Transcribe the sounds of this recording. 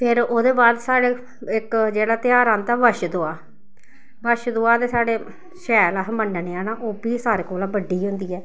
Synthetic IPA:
pʰeɾoːd̪eːbaːd̪saːɽeː | ɪkd͡ʒeːɽaːt̪ɪjaːɾãːnt̪aːʋəʃd̪oaː | ʋəʃd̪oaːd̪eːsaːɽeː | ʃɛːlaːɦməɳɖneːaːnaːʔoːbiːsaːɾeːkoːlãːbəɖːiːɦʊ̃nd̪iːɛː

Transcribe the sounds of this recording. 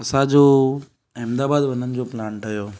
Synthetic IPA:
ɐsãd͡ʑoː | ɛmd̪aːbaːd̪ʋɐnənɪ̆d͡ʑoːpɪlaːnʈɐjoː

